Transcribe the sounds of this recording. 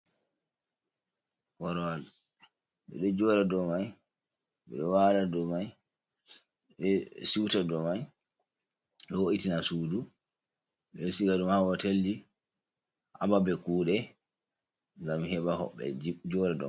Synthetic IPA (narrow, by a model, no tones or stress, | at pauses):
kɔɾal | ɓɛ̰ɗɔd͡ʒɔɾɛdɔmaj | ɓɛ̰ɗɔwaladɔmaj | ɓɛsiwtadɔmaj | ɗɔwoʔitinasuːdu | ɓɛsiɡadumhawatelːi | ʔababɛkuːɗɛ | ŋɡamhɛɓahɔ̰ɓːɛ̰d͡ʒɔɾɛdɔ̰m